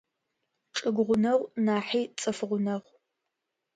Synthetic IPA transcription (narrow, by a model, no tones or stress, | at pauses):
ʈ͡ʂʼɨɡʷʊʁʷʊnɐʁʷnaːħiːt͡sʼɨfʁʷʊnɐʁʷ